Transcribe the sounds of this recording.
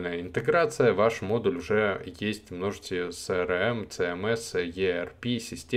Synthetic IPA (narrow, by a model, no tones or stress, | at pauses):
lnəjəɪnt̪ɨɡɾat̪sɨjəvaʂmo̞d̪ʊlʲʊʐɛjesʲtʲmno̞ʐɨt͡ɕʲɪjʊsɛɾɛmt̪sɛɛmɛsjʲeɛrpʲisʲɪsʲtʲ